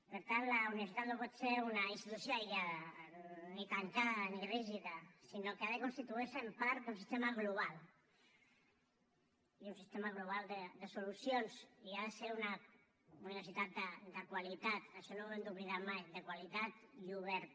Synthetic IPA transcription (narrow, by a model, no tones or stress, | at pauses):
peɾt̪anlauniβeɾsit̪at̪nopɔt̪seɾunainst̪it̪usjoaiʎa | nikankaðaniriʒiðasinokeaðekonst̪it̪uisempaɾd̪unsist̪emaɣluβal | iunsist̪emaɣluβ̞ald̪ed̪esolusjonsiaðeseɾuna | uniβeɾs̬it̪at̪̚d̪ad̪akwalit̪at̪aʃɔnoend̪uβliðamajðekwalit̪at̪ʎuβɛɾ